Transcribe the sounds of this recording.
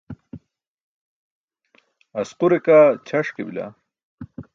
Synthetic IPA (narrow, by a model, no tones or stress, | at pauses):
ɐsquɾekat͡ɕʰɐʂkḛbila̰